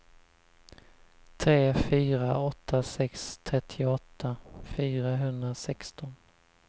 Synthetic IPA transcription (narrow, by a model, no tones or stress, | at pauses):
t̪ʰɾeːfyːɾaɔt̪ʰːasɛkst̪ʰɾɛt̪ʰːɪɔt̪ʰːafyːɾaɦɵnd̪ɾasɛkst̪ɔn